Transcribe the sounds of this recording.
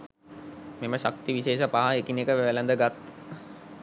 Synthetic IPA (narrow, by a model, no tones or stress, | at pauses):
meməʃak̚t̪iʋiʃeːʃəpaɦaekinekəʋæʋelənd̪əɡat̪